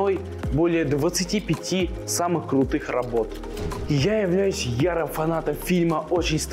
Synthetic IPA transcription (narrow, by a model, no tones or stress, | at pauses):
o̞j | bo̞lʲɪjəd̪vət̪sɨtʲipʲɪtʲi | samɨxkɾʊt̪ɨxrɐbo̞t̪ | jajɪvlʲæjʉsʲjaɾəmfɐnat̪əmfʲilʲməo̞t͡ɕɪnʲst̪